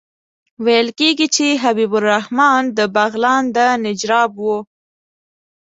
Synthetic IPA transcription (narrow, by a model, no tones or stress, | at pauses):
wajəlkeɡit͡ʃeɦabibʊlːahmɑnd̪əbaɣlɑnd̪ənɪd͡ʒɾɑbwu